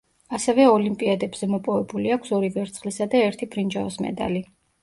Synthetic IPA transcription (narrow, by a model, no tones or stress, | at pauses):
asɛvɛɔlimpʼiad̪ɛbz̥ɛmɔpʼɔvɛbuliakʷʰsɔɾivɛɾt̪sʰχlisad̪aɛɾt̪ʰibʰɾind͡ʒavɔsmɛ̰d̪a̰li